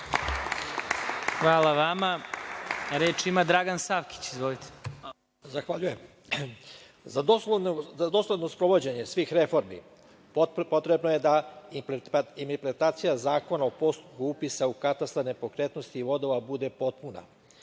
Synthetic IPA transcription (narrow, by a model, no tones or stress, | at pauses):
xʋaːlaʋama | ɾeːt͡ʃimad̪ɾaɡansaʋki̥t͡ɕizʋolit̪ʰe̥ | zaxʋaʎujem | zaozad̪o̞sled̪nospɾo̞ʋo̞d͡ʑe̞ɲe̞sʋiːxɾe̞fo̞ɾmḭ | pot̪ɾe̞bnoje̞d̪a | int̪eɾpɾet̪aːt̪sijazaːko̞naopo̞st̪upkuupisaukat̪ast̪anepo̞kɾet̪no̞st̪iːʋo̞d̪o̞ʋabud̪e̞po̞t̪̚puna̰